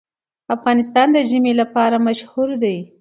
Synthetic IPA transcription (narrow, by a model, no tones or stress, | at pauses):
afɣɑnɪs̬t̪ɑnd̪əʒimelapɑɾamaʃhuɾd̪aj